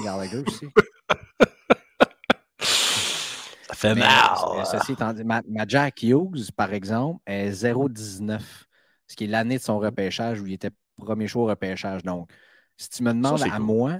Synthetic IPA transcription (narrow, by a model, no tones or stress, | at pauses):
ɡaʁd̪aɡøsi | safɛmɛma̰lɛsəsit̪ɑ̃ːmamad͡ʒakjuɡzpaʁɛɡzɑ̃pɛzeʁod̪iznœf | sə̥kʲelaned̪əsɔ̃ʁəpɛːʃaʒuilet̪ɛ | pʁəmjeʃwaoʁəpɛːʃaʒd̪ɔ̃k | si̥t̪yməd̪mɑ̃d̪amwa